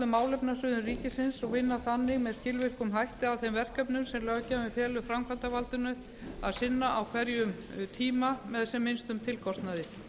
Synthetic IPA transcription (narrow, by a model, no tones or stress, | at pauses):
ðʏmaːwlɛpnasʏːðʏnriːcɪsɪnsɔɣvɪnːaθanːɪɣmɛðscɪlvɪr̥kʏmɦajht̪ɪawθemvɛr̥kœpnʏmsɛmlœːɣacaːmɛfjɛːlʏfɾamkʰant̪avalt̪ʏnʏ | aðsɪnːaʔawkʰvɛɾjʏm | t̪ʰiːmamɛðsɛmːɪnst̪ʏmt̪ʰɪlkɔst̪naðɪ